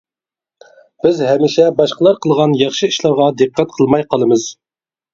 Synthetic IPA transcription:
b̥ɪzɦɛmiʃɛbɑʃqəlˠɑɾqʰəlˠʁɑnjɑχʃɨiʃlˠɑɾʁɑd̪ɨqʰːæt̪̚qʰəlˠmɑjqʰɑlˠɨmɨz̥

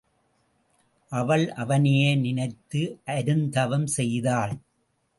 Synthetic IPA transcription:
ʔɐʋɐɭʔɐʋɐnɪjeːnɪnɐɪt̪ːɯʔɐɾɯnd̪ɐʋɐmsɛjðaːɭ

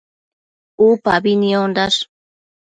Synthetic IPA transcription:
upabiniond̪aʂ

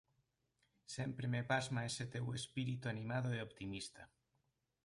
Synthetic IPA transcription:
sempɾemepazmaeset̪ewespiɾit̪uanĩmaðoeopt̪imist̪a

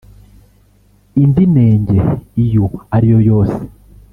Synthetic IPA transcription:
indine̞ːɲɟeijoaɾijo̞jo̞ːse̥

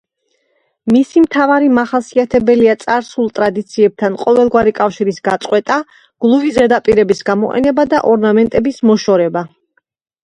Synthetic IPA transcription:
misimt̪ʰavaɾimaχasiat̪ʰɛbɛliat̪sʼaɾsulˠt̪ʼɾad̪it̪sʰiɛb̚t̪ʰanqʼɔvɛlˠɡwaɾikʼafʃiɾisɡat̪sʼqʼwɛt̪ʼa | ɡ̥lˠuvizɛd̪apʼiɾɛbisɡamɔqʼɛ̰nɛbad̪aʔɔɾnamɛnt̪ʼɛbismɔʃɔɾɛba

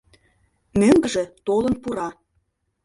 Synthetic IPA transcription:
møŋɡə̆ʒĕt̪olə̆npuɾɑ

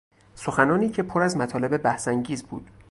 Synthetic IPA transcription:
soxænɒːniːcʰe̞pʰoɾæzmæt̪ʰɒːle̞be̞bæhsæŋɟiːzbṵːd̪̥

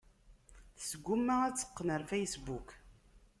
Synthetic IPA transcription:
θsɡʷːumːaæt͡sːə̥qːnəɾfejsbuk

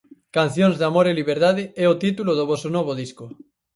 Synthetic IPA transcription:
kan̟θjoŋzðamoɾeliβeɾðaðɪɛot̪it̪uloðoβɔsonɔβ̞oðisko

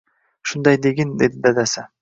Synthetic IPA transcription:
ʃund̪ɑjd̪eɡʲend̪ed̪id̪ad̪asa

